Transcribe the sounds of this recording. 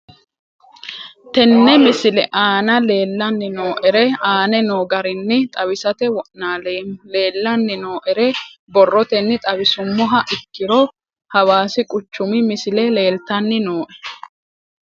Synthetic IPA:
t̪ɛnːɛmɪsɪlɛʔaːnɐle̞ːlːɐnːɪno̞ːʔɛɾɛaːnɛno̞ːɡɐɾɪnːɪt̪ʼɐbɪsɐt̪ɛwɔʔnaːlle̞ːlːɐnːɪno̞ːʔɛɾɛbɔrːɔt̪ɛnːɪt̪ʼɐbɪsʊmːɔɦɐʔɪkːɪɾo | hɐwaːsɪkʼʊt͡ʃːʊmɪmɪsɪlɛle̞ːlt̪ɐnːɪnoːʔɛ̥

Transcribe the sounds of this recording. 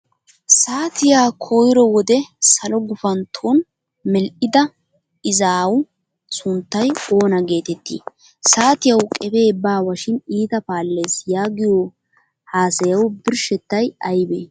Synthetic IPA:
saːt̪ɪjaːkʰojɾɔwɔd̪ɛsɐlɔɡʊfɐnt̪ʰoːn | mɛlʔɪd̪ɐ | ɪzaːw | sʊnt̪ːɐjo̞ːnɐɡe̞ːt̪ɛt̪ːḭː | saːt̪ɪjɐwkʼɛbeːbaːwɐʃɪniːt̪ɐpaːlːe̞ːsjaːɡɪjo | haːsɐjɐwbɪɾʃɛt̪ːɐjɐjbeː

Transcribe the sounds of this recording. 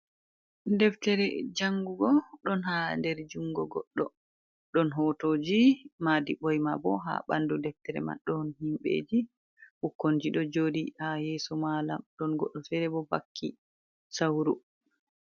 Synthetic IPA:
dɛftɛɾɛd͡ʒaŋɡuɡɔɗɔnhandɛɾd͡ʒuŋɡɔɡɔɗːɔ | ɗɔnɦɔtoːd͡ʒimadiɓɔjmabɔ̰ɦa̰ɓa̰ndudɛftɛɾɛ̰ma̰ɗɔnɦimɓḛd͡ʒi | ʔukːond͡ʒiɗɔd͡ʒoːdihajɛːsɔmala̰mɗɔnɡɔɗːɔfɛɾɛbɔba̰kʰːi | sawɾu

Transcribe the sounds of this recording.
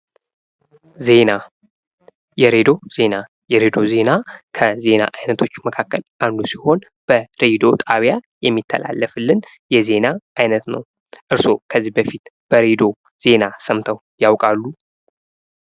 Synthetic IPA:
ze̞na | jɛɾed̪o̞z̥e̞na | jɛɾed̪o̞ze̞nakʰəze̞na̰ʔajnət̪ʰo̞t͡ʃːməkʰakːəland̪usiho̞n | b̥əɾed̪o̞t̪ʼaβjajɛmːit̪ʰːə̰la̰lːəfɨlːɨnjɛze̞naʔajnət̪nə̰w | ʔɨɾso̞kʰəzːihbəfit̪b̥əɾed̪o̞ | z̥e̞nasəmt̪ʰəw | jawkʼalːu

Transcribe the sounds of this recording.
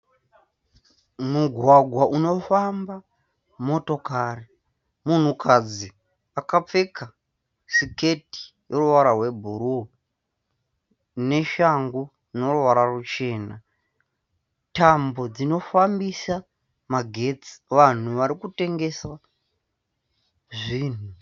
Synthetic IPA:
muɡʱwaɡʱwaʔuno̞famba | mo̞to̞kari | mun̤ukʰad͡zi | akap͡fe̞ka | sike̞ti̥jeruʋaɾarwe̞bʱuɾu | ne̞ʃaŋɡu | no̞ruʋaɾarut͡ʃe̞ːna | tambo̞d͡zino̞fambisa | maɡʱe̞t͡si̥ʋan̤uʋaɾikute̞ŋɡe̞sa | ʐiːn̤u

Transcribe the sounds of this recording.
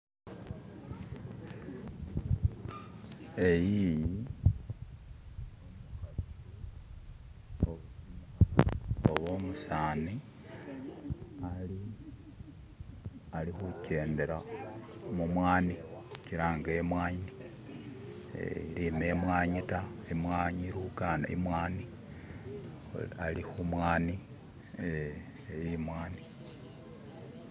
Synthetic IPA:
e̞jiji | oβoːmusaːni | ali | alixuce̞ːndeɾa | mumwaːniciɾaːŋɡemwaːɲni | ḛiɾimemwaːɲitaimwaːɲiɾukana̰ḭmwaːni | alixumwaːni | e | jimwaːni

